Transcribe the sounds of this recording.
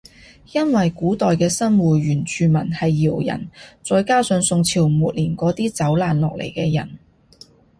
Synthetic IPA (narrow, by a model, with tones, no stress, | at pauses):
jɐ˥nwɐ˨jkuː˨˥t̪ɔː˨jkɛː˧sɐ˥nwuː˨ɥyː˨˩nt͡ʃʰyː˨˧mɐ˨˩nhɐ˨jːiː˨˩wjɐ̰˨˩nt͡sɔː˧jkaː˥sœ˨˧˥ŋsʊ˧ŋt͡sʰiː˨˩wmuː˨t̚liː˨˩nkɔː˨˥t̪iː˥t͡sɐ˨˥wlaː˨nlɔː˨k̚lʔḛ˨˩jkɛː˧jɐ̰˨˩n